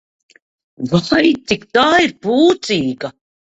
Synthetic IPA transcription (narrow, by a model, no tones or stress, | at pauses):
vajt̪ikt̪aːiɾpuːt̪siːɡa